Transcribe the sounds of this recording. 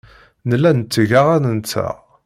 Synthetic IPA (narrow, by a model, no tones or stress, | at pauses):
nəlːænt͡sːəʝaʁænənt͡sːæ̰ʁ